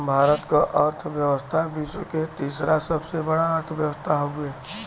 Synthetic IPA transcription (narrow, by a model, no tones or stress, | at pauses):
bʱaːɾət̪kaʔəɾt̪ʰʋjəwəst̪ʰabiːsket̪iːsɾasəbsebəɽaəɾt̪ʰʋjəwəst̪ʰaɦoɡe